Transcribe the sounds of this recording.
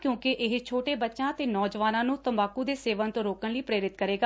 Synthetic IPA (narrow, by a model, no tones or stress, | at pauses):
kjõːkɪʔɪɦt͡ʃʰoːʈeːbətːʃãːt̪eːnɔːd͡ʒʋaːnãːnũːt̪əmbaːkuːd̪eːseːʋənt̪õɾoːkənləiːpɾeːɾɪt̪kəɾeːɡaː